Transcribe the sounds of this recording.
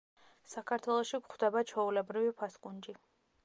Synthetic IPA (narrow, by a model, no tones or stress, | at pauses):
sakʰaɾt̪ʰwɛlˠɔʃikχd̪ɛbat͡ʃʰɔulɛbɾivipʰaskʼund͡ʒi